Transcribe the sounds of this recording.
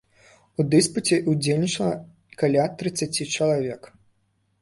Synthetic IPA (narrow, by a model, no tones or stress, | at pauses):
ud̪ɨsput͡sʲɛʔud͡zʲelʲnʲit͡ʂɐlˠɐ | kalʲat̪ɾɨt̪sːat͡sʲit͡ʂɐlˠavʲɛk